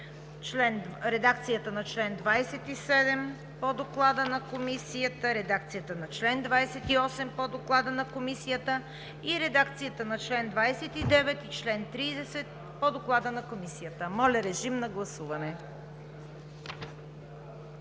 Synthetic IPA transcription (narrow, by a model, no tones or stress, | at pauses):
t͡ʃlɛnɾɛd̪ak̚t̪sijət̪ənɐt͡ʃlɛnd̪vajsɛt̪isɛd̪ɛm | pod̪oklˠad̪ənɐkomisijət̪əɾɛd̪akt̪sijət̪ənɐt͡ʃlɛnd̪vajsɛt̪iɔsɛmpod̪oklˠad̪ənɐkomisijət̪ə | iɾɛd̪akt̪sijət̪ənɐt͡ʃlɛnd̪vajsɛt̪id̪ɛvɛt̪it͡ʃlɛnt̪ɾiːd̪ɛsɛt̪̚ | pod̪oklˠad̪ənɐkomisijət̪əmɔlʲɐɾɛʒimnɐɡlˠɐsuvɐnɛ